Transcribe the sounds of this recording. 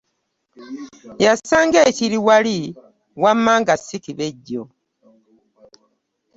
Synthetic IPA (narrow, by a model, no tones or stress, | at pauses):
jasaːŋɡeciɾiwali | wamːaːŋɡasːikiβeɟːo